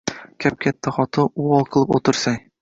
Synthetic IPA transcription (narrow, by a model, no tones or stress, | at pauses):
kʲʰæp̚kʲʰæt̪ʰːæχɒt̪ʰɤuɒlˠqʰɤ̆lˠɨpot̪ʰɨɾsaŋ